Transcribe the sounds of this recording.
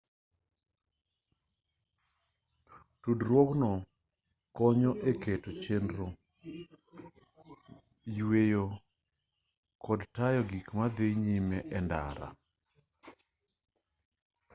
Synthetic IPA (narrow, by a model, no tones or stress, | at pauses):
tudɾwɔknɔ | kɔɲɔʔeketot͡ʃenɾo | jwejo | kɔdtajɔɡikmad̪eɲimɛʔɛnda̰ɾa̰